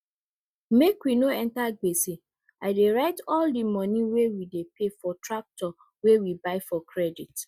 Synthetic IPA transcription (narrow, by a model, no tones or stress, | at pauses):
mekwinoɛ̃ntaɡ͡besi | aɪdeɹaɪtɔldimɔniwewidepefɔtɹak̚tɔ | wewibaɪfɔkʰɹɛdit